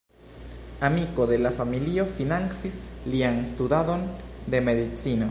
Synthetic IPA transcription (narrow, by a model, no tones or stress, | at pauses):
amiko̞ðe̞lafamiliofinansislianst̪udaðo̞nd̪e̞me̞ðit͡sino